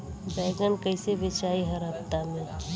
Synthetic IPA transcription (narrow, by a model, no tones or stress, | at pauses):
bɛːɡənkəɪsebɪt͡ʃaːiɦəɾɦəpt̪amẽ